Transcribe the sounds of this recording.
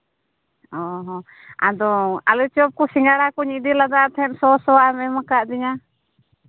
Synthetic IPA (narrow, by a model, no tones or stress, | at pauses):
ɔɦɔ | a̰d̪ɔa̰lut͡ʃɔp̚kɔsiŋaɽakɔɲid̪ilad̪aʔt̪ɛhɛm̚sɔsɔamɛmakaʔd̪iɲa